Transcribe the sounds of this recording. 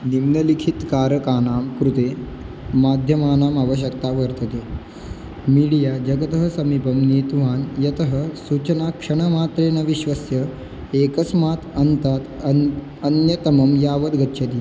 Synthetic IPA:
nimnɐlikʰit̪kaːɾəkaːnaːmkɾut̪e | maːd̪ʱjɐmaːnaːmaʋəɕ̬jɐkt̪aʋəɾt̪ət̪eː | miɽijad͡ʒɐɡət̪əɦəsɐmipɐmniːt̪uʋ̤aːnjɐt̪əɦəsuːt͡ʃnakʂɐɳ̃əmaːt̪ɾeːnɐʋiɕʋəsjə | eːkəsmaːt̪ɐnt̪aːt̪ | ənjɐt̪ɐmɐmjaːʋəd̪ɡɐtːɕʰɐt̪i

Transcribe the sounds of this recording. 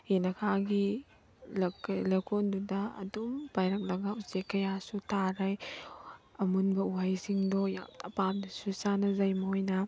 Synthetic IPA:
henɐkʰaɡi | lklɐkʰondudɐɐ̰dumbajɾɐk̚lɐɡɐuzekːɐjasutaɾɐj | ɐmunbɐuɦajsiŋdɔja̰ɐpamdɐsusanɐzɐjmɐojnɐ

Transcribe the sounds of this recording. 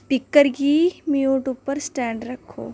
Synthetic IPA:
pɪkːəɾɡimjuːʈʊpːəɾsʈɛ̃ːɳɖɾɐkʰo̰ː

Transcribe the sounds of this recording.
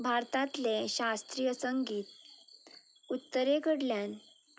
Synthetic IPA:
bʱaɾt̪ãt̪leɕast̪ɾijəsəŋɡiːt̪ | ut̪ːəɾekəɽljan

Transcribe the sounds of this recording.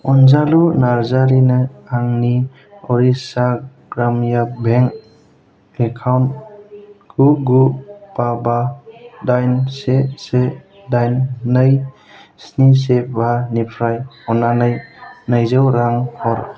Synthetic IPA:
ɔnzalunaɾzaɾinaaŋni | ɔɾisa | ɡ̥ɾamjabʱeŋ | ekʰawnt | ɡ̥uɡupabadajnsese | dajnːɯj | snis̬ebanipʰɾajɔnanɯjnɯjzawɾaŋhɔɾ

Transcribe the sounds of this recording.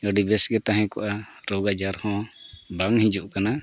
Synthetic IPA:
əɖibɛsɡɛt̪aɦɛ̃kɔʔaʈɔɡad͡ʒaɾhɔ̃baŋhĩd͡ʒuʔkana

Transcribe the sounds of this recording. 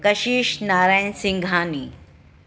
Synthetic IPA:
kɐʃiːʃnaːɾaːjnsɪ̃ŋɡʱaːniː

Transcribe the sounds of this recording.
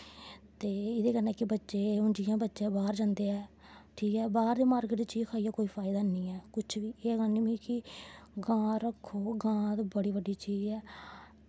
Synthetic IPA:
t̪eːɪd̪eːkənɛ̃ːkɪbətːʃeːʊnd͡ʒijãːbətːʃẽːbaːɾd͡ʒãːnd̪eːɛː | ʈʰiːkɛːbaːɾd̪eːmaːɾɡʈd̪iːt͡ʃiːd͡ʒkʰaːijaːkoːiːpʰaːɪd̪aːnĩːɛːkʊt͡ʃʰʋiːeːɡəniʋiːkɪɡãːɾəkʰːoːɡãːd̪bəɽiːbəɖiːt͡ʃiːd͡ʒɛː

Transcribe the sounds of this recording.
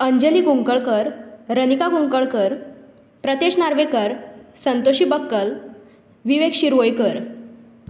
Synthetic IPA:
əɲd͡ʑəliːɡuŋkəɭkəɾɾənikaɡũŋkəɭkəɾ | pɾət̪eɕnaɾʋekəɾsənt̪oɕiːbəkːəl | ʋiʋekɕiɾʋojkəɾ

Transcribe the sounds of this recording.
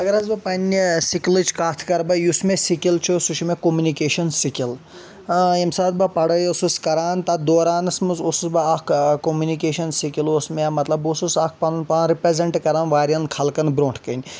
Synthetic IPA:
ɐɡɐɾɐzbɐpɐnʲːisiklɨt͡ʃʰkaːt̪ʰkɐɾbɐjusmesikʲilt͡ʃʰusuʃʰmekomunikeːʃɐnsikʲil | imsaːt̪̚bɐpɐɽɐjosuskɐɾaːnt̪ɐd̪oːɾaːnɨsmɨsosusbɐɐkʰkomjunikeːʃɐnsikilosmemɐt̪lɐbosusɐk̚ʰpɐnnpanɾipɾezɐɳʈkɐɾaːnʋaːɾʲjɐnkʰɐlkɐnbɾõːɳʈʰkɐnʲ

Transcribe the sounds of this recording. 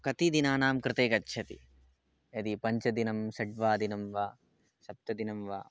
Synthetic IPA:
kɐt̪id̪inaːnaːmkɾɪt̪eːkɐtːʃʰɐt̪ḭ | ɐd̪ipɐɲt͡ʃɐd̪inɐmʃɐɖʋaːd̪inɐmʋaː | ʃɐp̚t̪ɐd̪inɐmʋa̰ː

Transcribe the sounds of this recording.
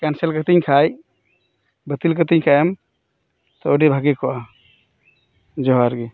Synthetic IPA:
kanselkət̪iɲkʰaj | bət̪ilkət̪iɲkʰaɛm | t̪ɔoɖibʱaɡikʰɔa | d͡ʒɔɦaɾɡi

